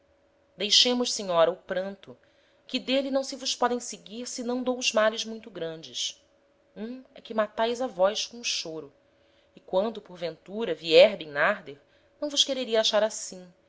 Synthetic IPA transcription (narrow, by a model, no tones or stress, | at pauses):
d̪ejʃẽmʊʃseɲɔɾɐʊpɾɐ̃nt̪ʊ | kɪd̪elin̪ɐ̃w̃sɪvʊʃpɔd̪ẽj̃seɡiɾsɪnɐ̃w̃d̪owzmaɾɪzmũj̃t̪ʊɡɾɐ̃nd͡ʒɪs | ũɛ̰kɪmat̪ajzavɔjskõʊʃoɾʊ | ɪkwɐ̃nd̪ʊpoɾvẽnt̪uɾɐviɛɾbẽnaɾd̪eɾ | nɐ̃w̃vʊʃkeɾeɾiɐaʃaɾasĩ